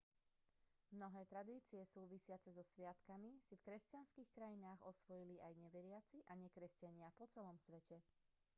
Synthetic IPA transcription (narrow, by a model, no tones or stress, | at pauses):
mnɔɦɛːt̪ɾad̪iːt͡siɛsuːʋisɪat͡sɛzɔsʋɪat̪kamisifkɾɛscanskixkɾajinaːɣɔsʋɔjiliʔajɲɛʋɛɾɪat͡siʔaɲɛkɾɛscaɲɪapɔt͡sɛlɔmsʋɛcɛ